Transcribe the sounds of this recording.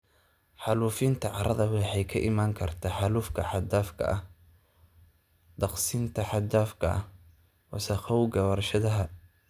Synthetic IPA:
ħɑluːfɪnt̪ʰɐʕɑɾʔɐðɐβɑħɛjkʰɐʔɪmaːŋkʰɐrt̪ʰaːħɑluːfkʰɐħɑd̪aːfkʰɐ̰ʔɐh | d̪̥ɑqsint̪ʰɐħɑd̪aːfkʰɐ̰ʔɐ̰h | wɑ̰sɐxɔwɡɐwɐrʃɐðɐɦɐ

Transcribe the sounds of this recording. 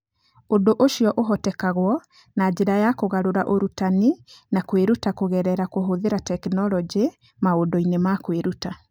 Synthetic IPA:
ondoʔoʃiɔʔoɦɔtɛkaɣwɔ | nad͡ʒeɾajakoɣaɾoɾaʔoɾutaninakweɾutakoɣɛɾɛɾakoɦoðeɾatɛknɔlɔd͡ʒe | maodɔinemakweɾuta

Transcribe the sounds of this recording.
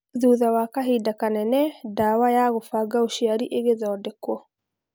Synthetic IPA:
ðuðawakaɦidakanɛnɛdawajaɣofaɡaoʃiaɾiʔeɣeðɔːdɛkwɔ

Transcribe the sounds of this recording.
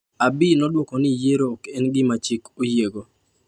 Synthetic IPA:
abɪnɔdwɔkɔnɪjeɾoːkɛnɡɪmat͡ʃikojeɡo

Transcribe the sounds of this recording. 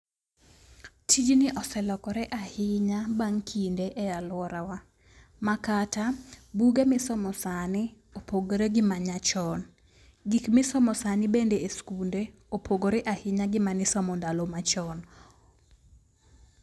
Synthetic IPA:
tʰid͡ʒnɪʔɔsɛlɔkɔɾɛʔahɪɲabaŋkʰindeʔɛalʊwɔɾawa | makatabuɡemɪsɔmɔsanɪ | opoɡoɾeɡɪmaɲat͡ʃɔn | ɡikmɪsɔmɔsanɪbendeeskunde | opʰoɡoɾɛʔahɪɲaɡɪmanɪsɔmɔndalomat͡ʃɔn

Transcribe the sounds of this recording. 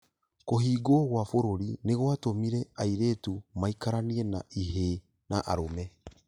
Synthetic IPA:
koɦiːɡoɣwafoɾoɾineɣwatomiɾɛaiɾeːtumaikaɾaniɛnaiɦe | naʔa̰ɾomɛ

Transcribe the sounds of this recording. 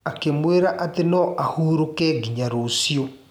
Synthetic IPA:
akemweɾaʔatenɔʔahuɾokɛɡiɲaɾosjo

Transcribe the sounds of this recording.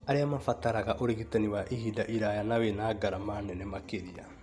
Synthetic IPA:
aɾeamafataɾaɣaʔoɾeɣitaniwaʔiɦidaʔiɾajanawenaːɡaɾamanɛnɛmakeɾia̰

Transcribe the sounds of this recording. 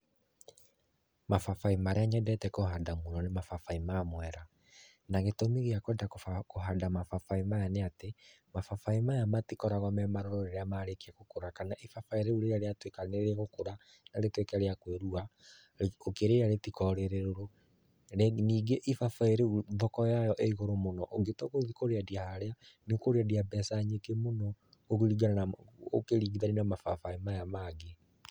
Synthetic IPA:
mafafaimaɾeaɲɛdɛtɛkoɦadamonɔnemafafaimamwɛɾa | naɣetomeɣeakwɛdakkoɦadamafafaimajaneate | mafafaimajamatikɔɾaɣɔmɛmaɾɔɾɔɾeɾeamaɾekeaɣokoɾakanaʔifafaiɾeuɾeaɾeatwekaneɾɛɣokoɾa | naɾetwekaɾeakweɾua | okeɾejaɾetikɔɾeɾeɾoɾo | eniːɡeʔifafaeɾeuðɔkɔjajɔʔeiɣoɾomonɔʔoɡetɔɣoðikoɾeadiahaɾeanekoɾeadiabɛsaɲekemonɔ | oɣeɾiɡaao̰keɾiɣiðaninamafafaimajamaɡe

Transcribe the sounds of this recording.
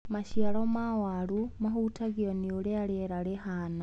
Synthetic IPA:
maʃjalomawalumahutaɣionioɾealeɾalehaːna

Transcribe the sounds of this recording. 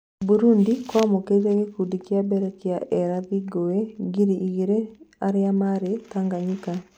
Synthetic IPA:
buɾundikwamoked͡ʒeɣekudikjabɛɾakjaʔɛɾaðiɡoeɡiɾiʔiɣiɾeaɾɪamaɾetaŋɡaɲika

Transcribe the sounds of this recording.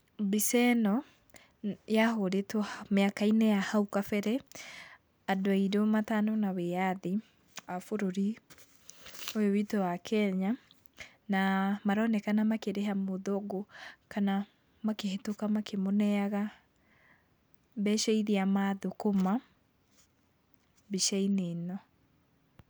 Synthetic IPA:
bisɛnɔ | jaɦoɾetɔmeakainɛjahaukafɛɾɛ | adoaiɾomatanɔnaweaði | afoɾoɾi | ojowitɔwakʰɛɲa | namaɾɔnɛkanamakeɾeɦamoðoɡokana | makehetokamakʰemonɛaɣa | bɛʃɛiðiamaðokoma | biʃɛinenɔ

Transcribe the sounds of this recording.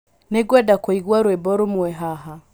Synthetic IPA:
neɡwɛdakwɔiɣwaɾwɛbɔɾomuɛɦaɦa

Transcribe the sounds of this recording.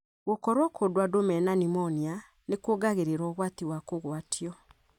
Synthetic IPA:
ɣokɔɾwakʰodwadomɛnanimɔnia | nekwoɡaɣeɾeɾɔːɣwatiwakoɣwaːtʰiɔ

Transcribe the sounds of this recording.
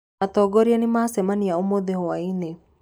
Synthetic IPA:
at̪ɔɡɔɾianimaasɛmaniaumod̪ehowaine

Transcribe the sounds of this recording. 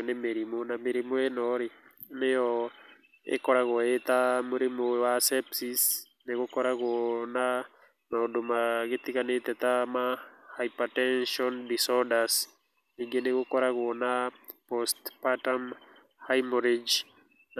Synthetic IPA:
nemeɾimonameɾimoenɔɾi | nejɔ | ḛkɔɾaɣɔet̪amoɾimowasɛpsis | nekokɔɾakona | maodomaɡɪt̪ikanet̪ɛt̪amahajpatɛnʃɔndisɔdas | niɡenekokɔɾakonapɔstpatam | hajmoɾed͡ʒ

